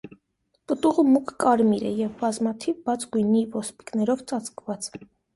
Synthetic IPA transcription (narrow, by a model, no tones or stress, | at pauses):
pət̪uʁəmukʰkɑɾmiɾɛjɛvbɑzmɑt̪ʰivbɑt͡sʰɡujnivɔspi̥knɛɾɔvt͡sɑt͡skvɑt͡s